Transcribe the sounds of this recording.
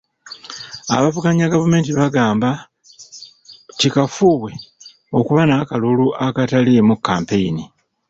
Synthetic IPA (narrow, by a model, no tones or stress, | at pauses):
a̰βavukaɲaɡavume̞ːntiβaɡaːmba | tikafuːβwe̞ | o̞kuβanakaluluʔakatalemukːaːmpe̞ini